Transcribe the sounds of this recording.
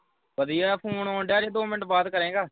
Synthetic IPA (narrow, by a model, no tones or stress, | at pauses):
ʋəd̪ijaːpʰuːɳɔːnɖaːɾeːd̪oːmɪnəʈbaːd̪kəɾẽːɡaː